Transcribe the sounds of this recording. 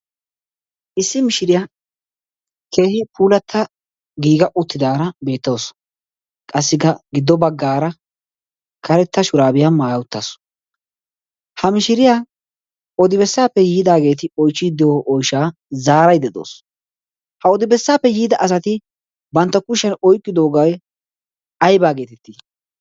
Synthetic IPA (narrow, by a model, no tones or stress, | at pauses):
ʔɪsːɪmɪʃɪɾɪjaː | kʰe̞ːhɪpʰuːlɐt̪ʰːɐ | ɡiːɡɐʔʊt̪ːɪd̪aːɾɐbe̞ːt̪ːɐws | kʼɐsːɪkːɐɡɪd̪ːɔbɐɡːaːɾɐ | kʰɐɾɛt̪ːɐʃʊɾaːbɪjamaːjɐwʊt̪ːaːs | hɐmɪʃɪɾɪjaː | ɔd̪ɪbɛsːaːpːɛjiːd̪aːɡe̞ːt̪ɪɔjt͡ʃːɪd̪ɪjoʔɔjʃaː | zaːɾɐjd̪ɛd̪o̰ːs | hɐɔd̪ɪbɛsːaːpːɛjiːd̪ɐʔɐs̬ɐt̪ɪ | bɐnt̪ːɐkʊʃɛnɔjkʼːɪd̪o̞ːɡɐj | ɐjbaːɡe̞ːt̪ɛt̪ːɪ